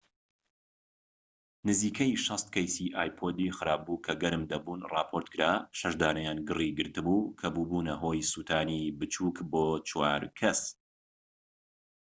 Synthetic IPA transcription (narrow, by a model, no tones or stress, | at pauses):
nɨziːkʰɐjʃɐst̪̚kʰɐjsiʔaːjpʰoːd̪ixɨɾaːb̚bukʰɐɡɐɾɨmd̪ɐbuːnrɑːpʰoɾt̪kʰɨɾaːʃɐʃd̪aːnɐjaːnɡɨriɡɨɾt̪ɨbuːkʰɐbuːbuːnɐɦoːjsuːt̪ʰaːnibɨt͡ʃʰuːkboːt͡ʃʰwa̰ːɾkʰɐs